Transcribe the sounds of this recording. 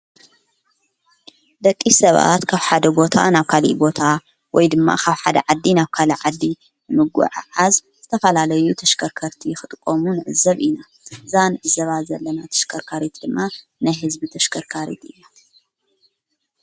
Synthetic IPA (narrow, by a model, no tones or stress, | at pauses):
d̪ɐkʼːisɐβa̰t̪kʰaβħad̪ɐbo̞t̪ʰa̰naβkʰalḭʔbo̞t̪ʰa | wʔɔjd̪ɨmːa̰kʰaβħad̪ɐ̰ʕad̪ːinaβkʰalɐʕad̪ːi | nɨmɨɡṵʕaʕazz̥ɨt̪ʰɐfɐlalɐjut̪ʰɐʃkʰɐɾkʰɐɾt̪ʰijxɨt̪ʼkʼːomunɨʕɨ̰zɐβʔina | ɨzanɨʕɨzɐβazɐlːɐnat̪ʰɐ̥ʃkʰɐɾkʰaɾit̪ʰd̪ɨmːa | najɦɨzbit̪ʰɐʃkʰɐɾkʰaɾḭt̪ɨjːa